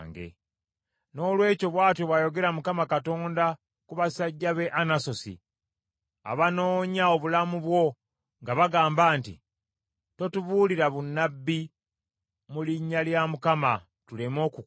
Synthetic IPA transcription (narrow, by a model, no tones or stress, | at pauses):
ŋɡe̞̰ | no̞ːlwe̞ːco̞βwaːtoβwajo̞ɡe̞ɾamukamakato̞ːnda | kuβasaɟːaβe̞ʔanaso̞sḭ | a̰βano̞ːɲao̞βulamuβwo̞ | ŋɡaβaɡaːmbaːntḭ | to̞tuβuːliɾaβunːabːi | muliɲːaljamukama | tulemo̞ːku